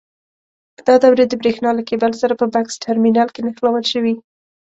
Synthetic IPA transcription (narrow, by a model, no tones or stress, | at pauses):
d̪̥ɑd̪awɾed̪əbɾexnɑlakebalsaɾapəbaksʈʰaɾminɑlkenaxlawəlʃəwi